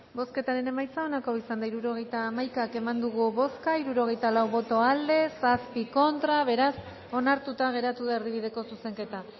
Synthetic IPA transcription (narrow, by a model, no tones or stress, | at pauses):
bo̞ske̞t̪aɾe̞ne̞majt͡sao̞nako̞isand̪aiɾuɾo̞ɣ̞e̞jt̪aːmajkake̞mand̪uɣ̞uβo̞skaiɾuɾo̞ɣe̞jt̪alawβo̞t̪o̞ald̪e̞saspiko̞nt̪ɾaβe̞ɾas | o̞naɾt̪ut̪aɣ̞e̞ɾat̪uðaeɾðiβ̞iðe̞ko̞suse̞ŋke̞t̪a